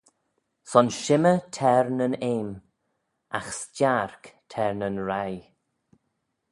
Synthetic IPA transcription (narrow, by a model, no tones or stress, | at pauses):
sɔnʃɪmətʰɛɹnəneːm | a̰xst͡ʃaɹktʰɛɹnənɹaj